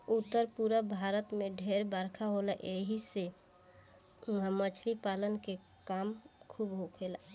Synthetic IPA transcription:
ut̪ːəɾpuɾəbʱaɾət̪meɖʱeɾbəɾkʰaɦoləʔeɦise | ɦmət͡ʃʰɾipalənke | kamkʰubɦokʰela

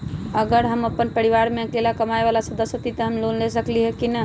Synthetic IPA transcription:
əɡəɾɦəməpːənpəɾiʋaɾmeklelakəmaebalasəd̪əsjət̪it̪əɦəmlonlesəkliɦɛkinə

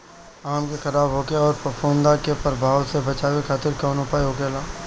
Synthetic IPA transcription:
aːmkexɐɾaːbɦoːkeaɔːɾpəfʰõːnd̪akepəɾbʱaːwsebɐt͡ʃaːwekʰaːt̪ɪɾkɔːnʊpaːiɦoːkelaː

